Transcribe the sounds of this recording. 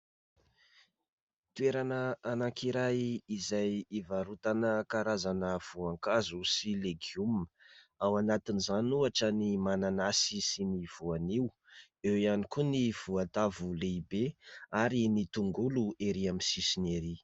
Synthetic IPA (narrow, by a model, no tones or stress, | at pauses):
t̪ueɾanəanaŋkiɾajizajivaɾut̪anəkaɾazanəv̥uaŋkazusileɡiumə | awanat̪inizanuaʈ͡ʂənimananasisiniv̥uaniw | ewianikuniv̥uant̪avuleibeaɾinit̪uŋɡulueɾiamisisineɾi